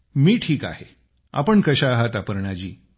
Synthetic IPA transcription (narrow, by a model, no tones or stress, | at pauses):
miːʈʰiːka̰he | a̰pəɳkəɕaːɦat̪apəɾɳat͡ɕḭː